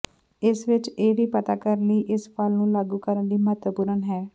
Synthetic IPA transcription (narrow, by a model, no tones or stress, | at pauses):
ɪsʋɪt͡ʃeːʋiːpət̪aːkəɾləiːʔɪspalnũːlaːɡuːkəɾənd̪iːmət̪wəpuːɾənɦɛː